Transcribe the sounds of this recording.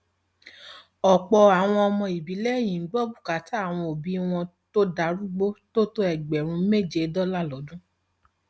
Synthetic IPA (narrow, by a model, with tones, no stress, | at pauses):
ɔ˨k͡pɔ˧a˨w̃ɔ̃˧ɔ˧mɔ̃˧i˨bi˨˦lɛ˦˨j̃ĩ˨˦ɡ͡bɔ˦bu˦˨ka˨˦ta˦a˦˨w̃ɔ̃˧o˨bi˨˦w̃ɔ̃˧to˦da˧˦ɾu˦ɡ͡bo˦to˦to˦ɛ˦˨ɡ͡bɛ˨ɾ̃ũ˧˦me˦˨d͡ʒe˧˦dɔ˦la˦˨lɔ˨˦dũ˦